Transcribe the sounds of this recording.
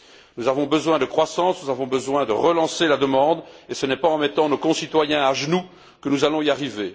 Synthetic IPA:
nuzavɔ̃bəzwɛ̃d̪əkχwasɑ̃snuzavɔ̃bəzwɛ̃d̪ə̰ʁəlɑ̃selad̪əmɑ̃d̪esənɛpaɑ̃mɛt̪ɑ̃nokɔ̃sit̪wajɛ̃aʒənu | kənuzalɔ̃iaʁive

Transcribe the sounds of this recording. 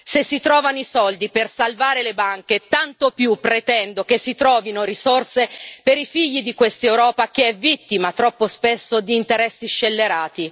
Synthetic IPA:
sesːit̪ɾɔːvanoisɔld̪ipersalvaːɾelebaŋk̟et̪ant̪opjupːɾet̪ɛnd̪okesːit̪ɾɔːvinoɾisorsepeɾifiʎːid̪ikwest̪ewɾɔːpak̟eɛvit̪ːimat̪ɾɔpːospesːod̪iːnt̪eɾɛsːiʃːelːeɾaːt̪i

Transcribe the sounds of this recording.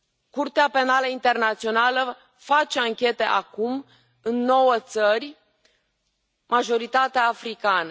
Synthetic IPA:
kurt̪eape̞naləint̪e̞rnat̪sio̞nalə | fat͡ʃeaŋkʲe̞t̪e̞ʔakum | ɨnːo̞wət̪sərʲ | maʒo̞ɾit̪at̪eaːfɾikanə

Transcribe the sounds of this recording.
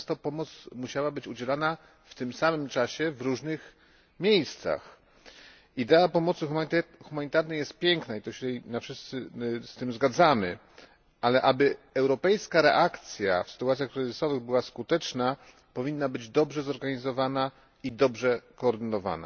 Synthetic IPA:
st̪ɔpɔmɔt̪smuɕawabɘt͡ɕud͡ʑɛlana | ft̪ɘmsamɘmt͡ʂaɕɛvɾuʐnɘx | mʲjejst̪sa̰x | id̪ɛapɔmɔt̪sɘxxumaɲit̪aɾnɛjɛst̪̚pʲjɛŋknait̪ɔɕɛɛnafʂɘst̪sɘst̪ɘmzɡad̪zamɘ̰ | ʔalɛʔabɘɛwɾɔpɛjskaɾɛ̰ʔakt̪sʲja̰fsɘ̥t̪uat̪sʲjaxkɾɘzɘsɔvɘɣbɘwaskut̪ɛt͡ʂna | pɔvʲinːabɘd͡ʑd̪ɔbʐɛzɔɾɡaɲizɔvana | id̪ɔbʐɛkɔːɾd̪ɘnɔva̰na̰

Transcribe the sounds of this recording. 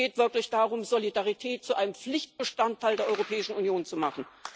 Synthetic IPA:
eːtv̥ɪɐklɪçd̥aːʁʊmzolidaʁitʰɛːt̚t͡suʔaɪnəmp͡flɪçt̚b̥əʃtantʰːaɪldeːɐʔɔʏʁopʰɛːɪʃn̩unjoːnt͡sumaχn̩

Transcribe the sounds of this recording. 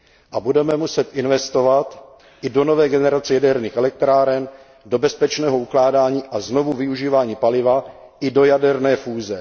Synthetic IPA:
ʔabudɛmɛmusɛt̪ʔɪnvɛst̪o̞vat̪ | ʔɪdo̞no̞vɛːɡɛnɛɾat͡sɛjadɛɾniːxɛlɛk̚t̪ɾaːɾɛn | do̞bɛspɛt͡ʃnɛːɦo̞uklaːdaːɲiːʔazno̞vuvɪuʒiːvaːɲiːpalɪva | ʔɪdo̞jadɛɾnɛːfuːzɛ

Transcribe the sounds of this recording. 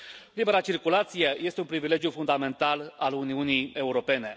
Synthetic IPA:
libe̞ɾat͡ʃirkulat̪sijeje̞st̪eunpɾivile̞ɡjufund̪ame̞nt̪alaluniunije̞uɾo̞pe̞ne̞

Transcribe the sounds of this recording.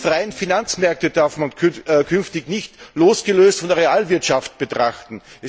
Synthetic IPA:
fʁaɪənfinant͡smɛɐk̚təd̥aɐfmanʰkʰʏnftɪçnɪçtloːsɡ̥əløːstfɔndɛɐʁeaːlvɪɐtʃaft̚b̥ətʁ̥aχtn̩ʔɛ

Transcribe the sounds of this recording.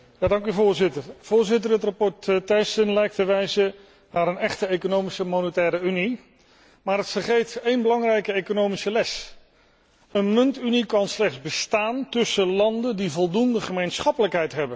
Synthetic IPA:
jaːdɑŋkyvʊːɹzɪtərv̥ʊːɹzɪtərɦətrapɔɹttɛjsənlɛjk̚təʋɛjzə | naːɾənɛχtəejkonowmisəmonətɛːɾəyni | maːɾətfəɹχejtejnbəlɑŋrɛjkəejkonowmisəlɛs | ənmɵntynikɑnslɛχdzbəstaːntɵsəlɑndəndivɔlˠdundəχəmejnsχɑpələkɦɛjtɦɛbən

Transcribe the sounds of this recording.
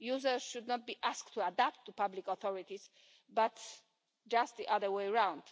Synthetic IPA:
juzə˞sʃud̪nɔt̪̚biʔaskt̪ʰːuadap̚t̪ʰːupablikɔθɔɹit̪iz | bat̪ | d͡ʒast̪̚ðiʔaðə˞weɪɹãw̃nd

